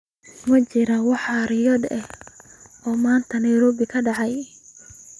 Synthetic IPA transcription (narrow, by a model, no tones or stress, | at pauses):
mɐt͡ʃɪɾɐwɑħɑɾɪjɔd̪ɛh | ɔːmaːnt̪ʰɐnɐjɾɔːbɪkʰɐɖɑʕɑj